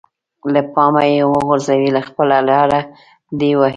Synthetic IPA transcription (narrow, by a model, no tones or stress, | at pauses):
ləpɑmajewəɣʊɾzawilaxpəlalɑɾa | d̪ewa